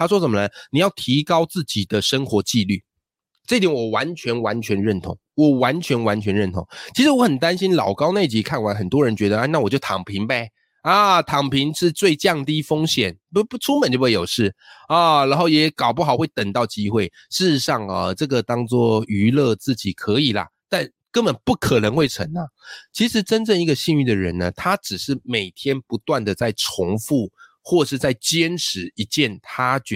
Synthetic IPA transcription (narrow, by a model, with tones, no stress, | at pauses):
t̪ʰa˥ʂ̬wɔ˥ʂə˨˩mə˦nə˧ni˨˩jɑ˥˩ʊt̪ʰi˧˦˥kɑ˥ʊt͡sɹ̩˥˩t͡ɕi˨˩d̪ə˦ʂə˥ŋxwɔ˧˥t͡ɕi˥˧ly̰˥˩ | ʈ͡ʂɤ˥˧i˥t̪jɛ˨˦nwɔ˨˩wa˧˦nt͡ɕʰɥɛ˧˥nwa˧˥nt͡ɕʰɥɛ˧˥nɻə˥˩nt̪ʰʊ̰˧˥ŋwɔ˨˩wa˧˦˥nt͡ɕʰɥɛ˧˥nwa˧˥nt͡ɕʰɥɛ˧˦nɻə˥˩nt̪ʰʊ̰˧˥ŋt͡ɕʰi˧˥ʂɻ̩˧wɔ˧˥xə˨˩nt̪a˦˥nɕi˥nlɑ˨˩ʊkɑ˥ʊne˥˩ɪt͡ɕi˧˥kʰa˥˩nwa˧˥nxə˨˩nt̪wɔ˦˥ɻə˧˦nt͡ɕɥɛ˧˥d̪ə˧a˥˧na˥˩wɔ˨˩t͡ɕjo˥˩ʊt̪ʰɑ̰˨˩ŋpʰi˨˧˥ŋbe˨˧ | a˨˩t̪ʰɑ˨˩ŋpʰi˧˥ŋʂɻ̩˥˧t͡swe˥˧ɪt͡ɕjɑ˥˨ŋt̪i˥fo˥ŋɕjɛ˨˩˦n | pu˥˩ʈ͡ʂʰu˥mə˨˩nt͡ɕo˥˩˧e˥˩jo˨˩ʂɻ̩˥˩ | ə˥˩ɻa˧˥nxo˥˩ʊjɛ˨˧˥kɑ˨˩ʊp̬u˥xɑ˨˩ʊxwe˥˩ɪt̪ə˨˩ŋt̪ɑ˥˩ʊt͡ɕi˥xwe˥˩ɪ | ʂɻ̩˥˧ʂɻ̩˧˦ʂɑ˥˧ŋə˧˩ʈ͡ʂɤ˥˩ɡə˩t̪ɑ˥ŋt͡swɔ˥˩y˧˥lɤ˥˧t͡sɹ̩˥˩t͡ɕi˨˩kʰɤ˧˦i˨˩lɐ̰˩t̪a˥˩n | kə˥nbə˨˩npu˥˩kʰə˨˩nə˧˥ŋxwe˥˩ɪʈ͡ʂʰə̰˧˥nla˧t͡ɕʰi˧˥ʂɻ̩˧˥ʈ͡ʂə˥nʈ͡ʂə˥˧ŋi˧˥ɡə˧ɕi˥˧ŋy˥˩d̪ə˩ɻə̰˧˦nə˧˩t̪ʰa˥ʈ͡ʂɻ̩˨˩ʂɻ̩˥˩me˨˩ɪt̪ʰjɛ˥npu˧˥t̪wa˥˩nd̪ə˩t͡sa˥˩ɪʈ͡ʂʰʊ˧˥ŋfu˥˩ | xwɔ˥˧ʂɻ̩˥˧t͡sa˥˩ɪt͡ɕjɛ˥nʈ͡ʂʰɻ̩˧˥i˧˥t͡ɕjɛ˥˩nt̪ʰa˥t͡ɕɛ˧˦